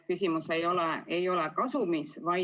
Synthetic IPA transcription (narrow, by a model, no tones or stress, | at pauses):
kysʲimuse̞jo̞lɛejo̞lekɑsumisvɑj